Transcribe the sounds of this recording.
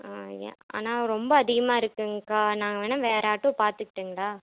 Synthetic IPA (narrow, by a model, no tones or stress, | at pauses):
ḛa̰ːnaːɾɔmbɐːðɪɣɐmaːɪɾɯkːɯŋkaːnaːŋɡɐʋeːnɐ̃ʋeːɾaːʈːʊ̃paːɾt̪ɯkːɪ̥ʈːɯŋɡɐɭaː